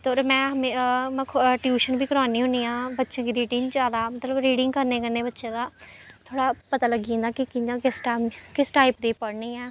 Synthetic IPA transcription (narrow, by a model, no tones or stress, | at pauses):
t̪oːɾmɛ̃ːɦəmẽmːʰʈjuːʃənbʱiːkəɾaːniːɦʊniːãːbətːʃãːkiɾiːʈiːnd͡ʒaːd̪aːmət̪ləbɾiːɖɪ̃ŋɡkəɾneːkəɾneːbətːʃẽːd̪aːt̪ʰoːɽaːpət̪aːləɡĩːnd̪aːkɪkɪãkɪsʈakɪsʈaːɪpd̪eːpəɽnĩːɛː